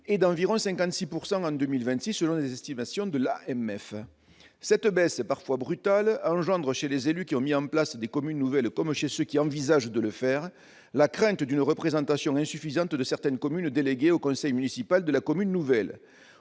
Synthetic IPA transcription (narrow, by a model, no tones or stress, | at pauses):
ed̪ɑ̃viʁɔ̃sɛ̃ŋkɑ̃nt̪sipuʁsɑ̃ɑ̃d̪ømilvɛ̃t̪sisːəlɔ̃lezɛst̪imasjɔ̃d̪əla̰ʔɛmɛf | sɛt̪əbɛspaʁfwabʁyt̪alɑ̃ʒɑ̃d̪ʁəʃelezelykʲiɔ̃miɑ̃plasd̪ekɔmynːuvɛlkɔmʃesøkʲiɑ̃vizaʒd̪ələfɛʁ | lakχɛ̃nt̪d̪ynʁəpχezɑ̃t̪asjɔ̃ɛ̃syfizɑ̃t̪d̪əsɛʁt̪ɛnkɔmynd̪eleɡeokɔ̃sɛjmynisipald̪əlakɔmynːuvɛl